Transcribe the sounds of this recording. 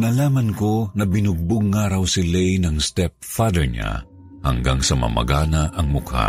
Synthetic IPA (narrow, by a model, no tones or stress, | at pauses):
nɐlaːmɐnkonɐbɪnʊɡ̚bʊɡ̚ŋaːɾɐwsɪlɛjnɐŋst̪ɛp̚fad̪ɛɹɲa̰ | hɐ̰ŋɡaŋsɐmɐ̰mɐ̰ɡaːnaʔɐŋmʊkʰa̰